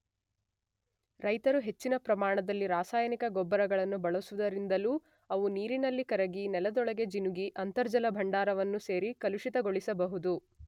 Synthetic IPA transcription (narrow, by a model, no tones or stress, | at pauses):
ɾɐjt̪ɐɾuɦe̞t͡ʃːinɐpɾɐmaːɳɐd̪ɐlːiɾaːsaːjɐnikɐɡɔbːɐɾɐɡɐɭɐnːubɐɭusuʋud̪ɐɾind̪ɐluː | ɐʋuniːɾinɐlːikɐɾɐɡinɛlɐd̪ɔɭɐɡe̞d͡ʒinuɡiʔɐnt̪ɐɾd͡ʒɐlɐbʱɐɳɖaːɾɐʋɐnːuse̞ːɾikɐluʂit̪ɐɡoɭisɐbɐɦud̪u